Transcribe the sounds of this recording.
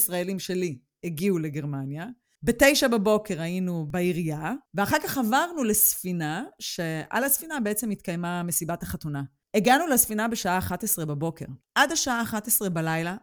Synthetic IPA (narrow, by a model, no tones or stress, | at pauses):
sʁaelimʃe̞li | eɡiuleɡe̞ʁmanja | bete̞jʃababo̞ke̞ʁainubaiʁijaveaχaʁkaχavaʁnulesfinaʃe̞ʔa̰lasfinabeet͡semitkajmamesibathaχatuna | eɡanulesfinabeʃaʔaːχatesʁe̞babo̞ke̞ʁʔadhaʃaaːχatesʁe̞balajla